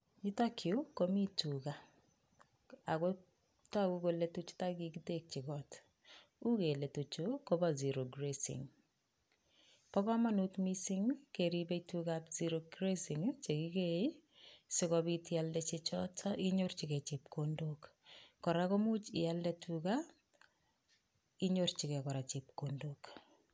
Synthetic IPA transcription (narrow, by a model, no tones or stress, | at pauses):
itakʰjukomituka | ako | takukoletut͡ʃu̥takikitek̚t͡ʃikɔt | ukeletut͡ʃukobaziɾoɡɾesḭŋ | pɔkɔmanutmisiŋkeɾibeitukapziɾoɡɾesiŋt͡ʃekikejsɪkɔbitialdɛt͡ʃet͡ʃɔtʰɔʔiɲort͡ʃikɛt͡ʃipkondokːɔɾakomut͡ʃɪjaldɛtʰuka | iɲort͡ʃikɛkɔɾat͡ʃip̚kondok